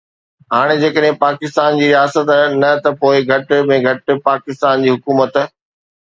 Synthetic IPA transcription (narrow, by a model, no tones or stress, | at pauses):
ɦaːɽ̃ed͡ʑeːkəɗɦẽpaːkɪst̪aːnd͡ʑiːɾijaːsət̪nɐt̪ɐpoːɪɡʱɐʈmẽɡʱɐʈ̆paːkɪst̪aːnd͡ʑiːɦʊkuːmət̪